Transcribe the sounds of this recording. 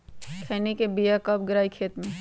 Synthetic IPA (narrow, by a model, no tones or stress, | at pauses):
kʰɛːnikebijakəp̚ɡɪɾaːikʰeːt̪mẽ